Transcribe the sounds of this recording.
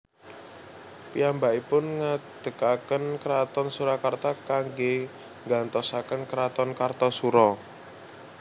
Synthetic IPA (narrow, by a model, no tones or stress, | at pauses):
piambaʔipʊnŋad̪̥ə̤kakənkəɾat̪ɔnsuɾakart̪akaŋɡe | ŋɡant̪ɔsakənkəɾat̪ɔnkart̪ɔsuɾɔ